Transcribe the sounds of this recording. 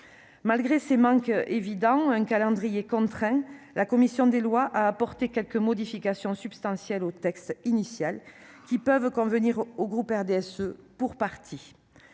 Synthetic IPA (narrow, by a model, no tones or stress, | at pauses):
malɡʁesemɑ̃ŋkevid̪ɑ̃ɛ̃ŋkalɑ̃d̪ʁijekɔ̃t̪χɛ̃ | lʔakɔmisjɔ̃d̪elwaʔaːpɔʁt̪ekʲɛlkəmɔd̪ifikasjɔ̃sybst̪ɑ̃sjɛlot̪ɛkst̪inisjal | kʲipœvkɔ̃vəniʁoɡʁupɛʁd̪eɛsøpuʁpaʁt̪ʰi